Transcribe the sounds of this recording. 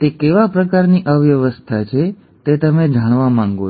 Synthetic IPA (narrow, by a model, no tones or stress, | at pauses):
t̪ekeʋapɾəkaɾniʔəʋjəʋəst̪ʰat͡ʃʰe | t̪et̪əmed͡ʒaɳ̃ʋamãŋɡo